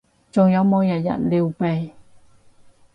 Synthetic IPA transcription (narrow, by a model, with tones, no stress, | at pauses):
t͡ɕo˧ŋjɔ˨˥mɔ˧˥˦ja˨˩ja̰˧˨nli˧wpɛ˧˩j